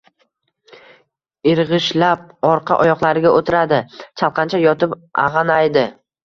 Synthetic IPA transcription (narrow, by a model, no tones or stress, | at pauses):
ɪɾʁɨʃlap̚ɒɾqʰɑ̰ʔɒjɒqlˠaɾɪɡʲaʔot̪ʰɪɾad̪ɪt͡ʃʰalˠqʰɑnt͡ʃʰajɒt̪ʰɪpʔɑ̰ʁɑnajd̪ɪ